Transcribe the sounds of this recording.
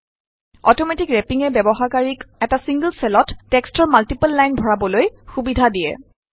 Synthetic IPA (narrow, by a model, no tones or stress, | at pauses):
ɔtɔmɛtikɹɛpiŋɛbɛbɔxaɹkaɹikɛtasiŋɡəlsɛlɔtːɛkstɔɹmaltipəlːajnbʱɔɹabɔlojxubidʱadijɛ̰